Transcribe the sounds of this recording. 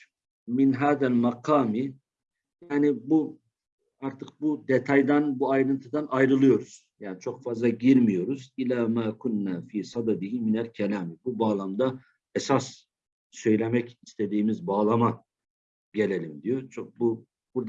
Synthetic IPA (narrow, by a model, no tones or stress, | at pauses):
minɦaːðælmɑqʰɑːmi | jaːnibu | aɾt̪ʰɯq̚bud̪et̪ʰajd̪anbuajɾɯnt̪ʰɯd̪anajɾɯlˠɯjo̞ɾuz̥jaːnit͡ʃʰokfazlˠɑɟiɾmijo̞ɾuz̥ilaːmaːkʰunːaːfiːsɑd̪ad̪ihiminælcʰɛlaːmibubaːlˠamd̪a | ɛsas | sø̞jlʲe̞mɛcist̪ʰe̞d̪iːmizbaːlˠama | ɟelʲelʲimd̪ijot͡ʃʰokbu | buɾd̪